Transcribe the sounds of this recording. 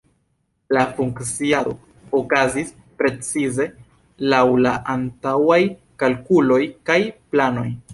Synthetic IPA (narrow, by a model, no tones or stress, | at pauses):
lafuŋkt͡siaɾo̞ | okazis | pɾe̞t͡size̞ | lawlaʔantawaj | kalkulo̞jkajplano̞̰j